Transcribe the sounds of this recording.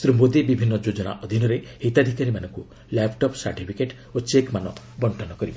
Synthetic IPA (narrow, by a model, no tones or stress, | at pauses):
sɾimod̪ibibʱinːɔd͡ʒod͡ʒɔna̰ʔɔd̪ʱinɔɾehet̪ad̪ʱikaɾimanɔŋku | lepʈɔpsa̰ɾʈipʰikeʈ | ot͡ʃekmanɔ | bɔɳʈʰɔnɔkɔɾib